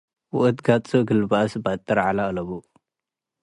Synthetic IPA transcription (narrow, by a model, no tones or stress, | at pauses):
wʊʔɨt̪ɡat͡sʼoɡɨlbasbat̪ʼːɐɾʕalalɐβo